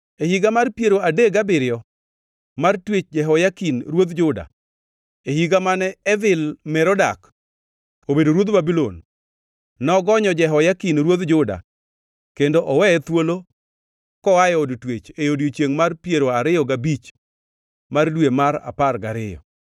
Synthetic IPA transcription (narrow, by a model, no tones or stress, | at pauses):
ehiɡamarpjeɾoadeɡabɪɾɪjɔ | martwet͡ʃd͡ʒɛɦɔjakinɾwod̪d͡ʒʊda̰ | ehiɡamanɛɛvɪlmɛɾɔda̰k | obedoɾwod̪babilonː | ɔɡɔɲɔd͡ʒɛɦɔjakinɾwod̪d͡ʒʊda̰ | kendoʔɔwɛɛt̪wolo | kɔajodtwet͡ʃejodjot͡ʃjeŋmarpjeɾoaɾɪjɔɡabit͡ʃ | mardwemaɾa̰parɡaɾɪjɔ̰